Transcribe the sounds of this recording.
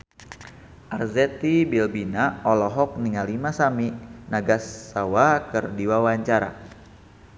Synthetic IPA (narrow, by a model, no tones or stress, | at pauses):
ʔarzɛt̪ibilbinaɔlɔɦɔk̚niŋalimasaminaɡasːawakɨrdiwawaɲt͡ʃaɾa̰